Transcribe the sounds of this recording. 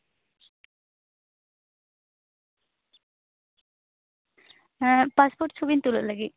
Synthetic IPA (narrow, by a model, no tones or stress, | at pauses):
paspoːɾʈsʰubint̪ulɐlaɡi